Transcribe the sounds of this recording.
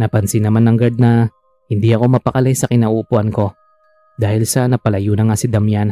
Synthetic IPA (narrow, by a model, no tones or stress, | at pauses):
nɐpɐnsɪnːɐmanːɐŋɡɐd̪̚nɐ | hɪnd̪iʔɐko̞mɐpɐkɐlajsɐkɪnaʔʊʔʊpʊʔanko̞ | d̪aːhɪlsɐnɐpɐlɐjunɐŋasɪd̪ɐmjan